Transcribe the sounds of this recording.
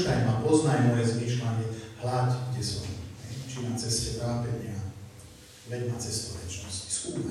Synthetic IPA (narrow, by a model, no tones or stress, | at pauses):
najmapɔznajnɔʋɛzmiːʃlaɲɛhlat̪ɡɟɛsɔmɦɛjt͡ʃinat͡sɛscɛt̪ɾaːpɛɲɪa | ʋɛɟnat͡sɛst̪ɔʋɛt͡ʃnɔsci̥skuːa